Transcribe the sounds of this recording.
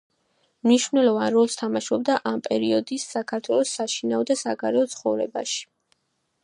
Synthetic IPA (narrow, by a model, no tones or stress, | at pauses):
mniʃvnɛlˠɔvanɾɔlˠst̪ʰamaʃɔbd̪aʔampʼɛɾiɔd̪isːakʰaɾt̪ʰwɛlˠɔsːaʃinaɔd̪asaɡaɾɛɔt̪sʰχɔvɾɛ̰ba̰ʃi̥